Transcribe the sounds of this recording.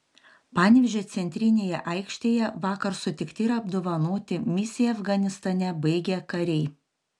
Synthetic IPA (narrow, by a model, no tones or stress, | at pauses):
pɑnʲʋʲɪʒʲoːt̪sʲɛnʲt̪ʲɾʲɪnʲeːjɛʔɐɪkʃʲt̪ʲeːjɛʋɑːkɐɾsʊt̪ʲɪkt̪ʲɪɪɾɐbd̪oːʋɐnoːt̪ʲɪmʲɪsʲɪjɛɐfɡɐnʲɪst̪ɐnʲɛbɐɪɡʲɛkɐɾʲɛɪ